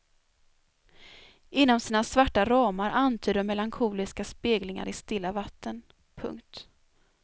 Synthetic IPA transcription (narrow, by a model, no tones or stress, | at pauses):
ɪnːɔmsiːnasvaʈːaɾɑːmaɾʔant̪ʰyːd̪əmːɛlaŋkʰuːlɪskaspeːɡlɪŋa̰ɾɪst̪ɪlːavat̪ʰːən | pʰɵ̰ŋkt̪